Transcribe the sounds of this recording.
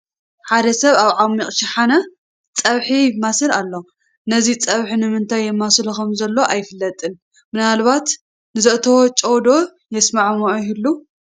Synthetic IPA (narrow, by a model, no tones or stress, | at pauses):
ħad̪ɐsɐβaβʕamːiχʼʃɪħana | t͡sʼɐβħimːasɨlalːo | nɐzit͡sʼɐβħinɨmɨnt̪ʰajːɛmːasɨlkɐmzɐlːo̞ʔajɪfɨlːɐt̪ʼɨn | mɨnalβat̪ | nɨzɨʔt̪ʰɐwot͡ʃʼowd̪o̞ | jɛsmaʕmoʔohilːu